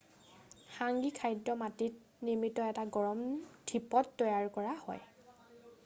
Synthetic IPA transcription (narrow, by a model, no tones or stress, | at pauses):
xaŋɡikʰajdɔmatit̚ | niɹmitɔɛtaɡɔɹɔmdʰʱipɔtːɔjaɹkɔɹahɔ̰j